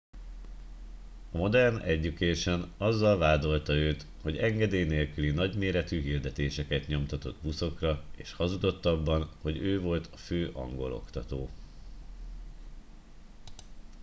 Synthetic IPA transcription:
ɒmo̞d̪ɛrnɛɟːykeːʃɛnɒzːɒlvaːd̪o̞lt̪ɒøːt̪ | ho̞ɟɛŋɡɛd̪eːjneːlkylinɒɟmeːɾɛt̪yːɦild̪ɛt̪eːʃɛkɛt̪ɲo̞mt̪ɒt̪o̞d̪buso̞krɒḛːʃhɒzud̪o̞t̪ːɒbːɒnho̞ɟøːvo̞lt̪ɒføːʔɒ̰ŋɡo̞̰lo̞̰kt̪ɒt̪oː

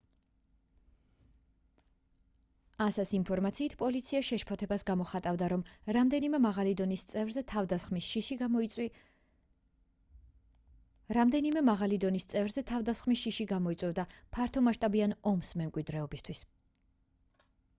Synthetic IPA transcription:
asɛsinpʰɔɾmat̪sʰiːt̪ʰpʼɔlit̪sʰiaʃɛʃpʰɔt̪ʰɛbasɡamɔχat̪ʼavd̪aɾɔmɾamd̪ɛnimɛmaʁalid̪ɔnist̪sʼɛvɾzɛt̪ʰavd̪mi | ɾamd̪ɛnimɛmaʁalid̪ɔnist̪sʼɛvɾzɛt̪ʰavd̪asχmisʃiʃiɡamɔitsʼwɛvd̪apʰaɾt̪ʰɔmaʃt̪ʼabianɔmsmɛmkʼwid̪ɾɛɔbist̪ʰwis

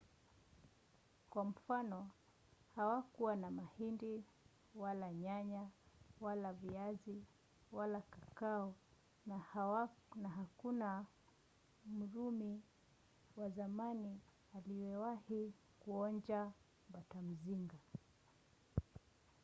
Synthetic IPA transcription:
kwam̩fanɔ | hawakuwanamahindi | walaɲaɲawalaviazi | walakakaɔ | na | naɦakuna | m̩ɾumi | wazamani | alijɛwahi | kuɔɲd͡ʒa | mbatam̩ziŋɡa

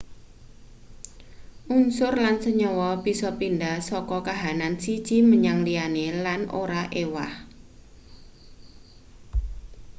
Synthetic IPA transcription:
ʔunsʊrlansəɲɔwɔbisɔpindahsɔkɔkaɦanansi̥t͡ʃiməɲaŋlianelanʔo̰ɾaʔewa̰h

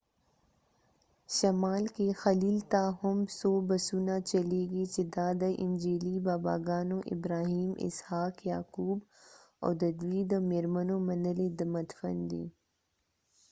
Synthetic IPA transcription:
ʃɐmaːlkexɐliːlt̪aːɦʊmsoːbɐsuːnat͡ʃɐleːɡit͡ʃed̪aːd̪aʔɪ̃nd͡ʒeːlibaːba̰ːɡaːnõʔɪ̰bɾaːɦiːmɪ̰shaːkjaːkuːb | ɔ̰ːd̪ɐd̪ʋiːd̪ɔːmeɾmənomɐnəled̪ɐmɐt̪fənd̪ḭː

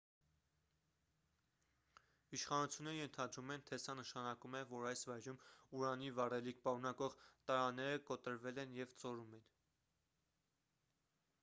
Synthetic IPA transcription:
iʃχɑnut͡sʰjunːɛɾəjɛnt̪ʰɑd̪ɾumɛnt̪ʰɛsɑnəʃɑnɑkumɛvɔɾɑjsvɑjɾumuɾɑnivɑrɛlik̚ʰpɑɾunɑkɔʁt̪ɑɾɑnːɛɾəkɔt̪əɾvɛlɛnjɛvt͡sɔɾumɛn

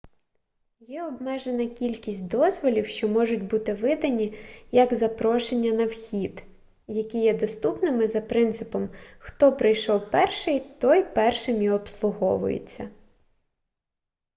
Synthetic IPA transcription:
jɛɔbmɛʒe̞nɐkʲilʲkʲisʲtʲd̪ɔzʋɔlʲiwʃt͡ʃɔmɔʒʊtʲbut̪ɪʋɪd̪ɐnʲijɐɡzɐpɾɔʃenʲːɐnɐwxʲid̪ | jɐkʲijɛd̪ɔst̪upnɪmɪzɐpɾɪnt̪sɪpɔmxt̪ɔpɾɪjʃɔwpɛrʃɪjt̪ɔjpɛrʃɪmjiɔpslˠʊɦɔʋʊ̰jḛt͡sʲːɐ

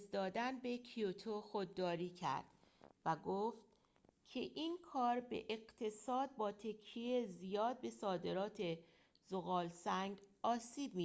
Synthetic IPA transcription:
sd̪ɒːd̪ænbe̞kʰiot̪ʰoxod̪ːɒːɾiːcʰæ̰ɾd̪̥ | væɡoft̪ | cʰeʔiːnkʰɒːɾbe̞̰ʔeɢt̪ʰe̞sɒːd̪̚bɒːt̪ʰe̞kʰːiezijɒːd̪̚be̞sɒːd̪e̞ɾɒːt̪ʰe̞ | zoɣɒːlsæŋɡɒːsiːb̚miː

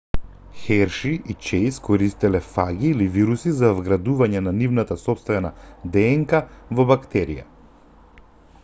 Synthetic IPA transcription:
xɛɾʃiʔit͡ʃɛjskɔɾist̪ɛlɛfaɡʲiːliviɾusizavɡɾad̪uvaɲɛnanivnat̪asɔpst̪vɛnad̪ɛːŋkavɔbakt̪ɛɾḭja̰

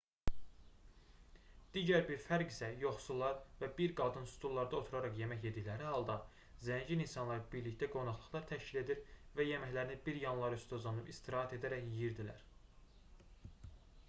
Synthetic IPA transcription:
d̪̥iːɟæɾbiɾfæɾɡisæjo̞χsulˠːɑɾvæbiɾɡɑd̪ɯnsu̥t̪ʰulˠːɑɾd̪ɑo̞t̪ʰuɾɑɾɑχje̞mæçje̞d̪içlæɾihɑlˠd̪ɑ | zænd͡ʒininsɑnlˠɑɾbiɾliçt̪æɡo̞nɑχlˠɯχlˠɑɾt̪ʰæʃcile̞d̪iɾvæjemæçlæɾinibiɾjɑnlˠɑɾyst̪ʰozlˠɑnɯpist̪ʰiɾɑːɦæt̪e̞d̪æɾæçiɾd̪ilæ̰ɾ

